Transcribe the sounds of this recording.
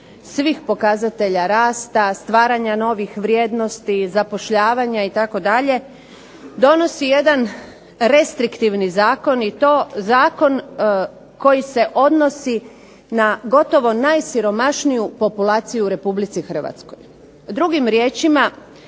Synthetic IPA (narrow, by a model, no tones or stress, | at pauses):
sʋixpo̞kazat̪e̞ʎaɾaːst̪ast̪ʋaːɾaɲano̞ʋixʋɾje̞d̪no̞st̪izapo̞ʃʎaːʋaɲait̪ako̞d̪aʎe̞ | d̪o̞no̞sije̞d̪an | ɾe̞st̪ɾikt̪iʋnizaːko̞nit̪oːzaːko̞n | ko̞jise̞ʔo̞d̪no̞si | naɡo̞t̪o̞ʋo̞najsiɾo̞maʃnijupo̞pulaːt̪sijuuɾe̞publit̪sixr̩ʋa̰t̪sko̞̰j | d̪ɾuɡimɾje̞ːt͡ʃima